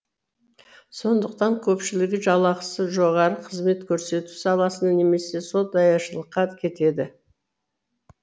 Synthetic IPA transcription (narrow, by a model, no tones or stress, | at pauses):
so̞nd̪əqt̪ɑŋkʲʰɵpʃɪlɪɡʲɪʒɑlˠɑqə̥səʒo̞ʁɑɾəqʰəzme̞t̪kʲʰɵɾse̞t̪u̥sɑlˠɑsənɑne̞me̞se̞so̞t̪̚d̪ɑjɑʃəlˠəqːɑkʲʰe̞t̪e̞d̪ɪ